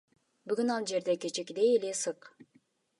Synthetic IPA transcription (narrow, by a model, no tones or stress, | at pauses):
byɡynɑlˠd͡ʒe̞ɾd̪eket͡ʃekd̪ejelesɯq